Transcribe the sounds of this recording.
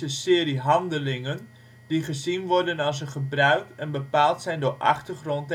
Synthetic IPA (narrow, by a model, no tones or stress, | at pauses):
əsɪːəɾiɦɑndəlɪŋən | d̥iχəzinʋɔrdənɑlˠs̬əχəbrœɥk̚ɛnbəpaːlˠtsɛjndʊːrʔɑ̰χtərχront